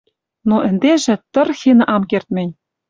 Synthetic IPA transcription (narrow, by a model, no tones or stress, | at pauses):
noʔɘ̆nd̪eʒɘ̆t̪ɤ̆rxinɤ̆ʔɑmkert̪mʲĕnʲ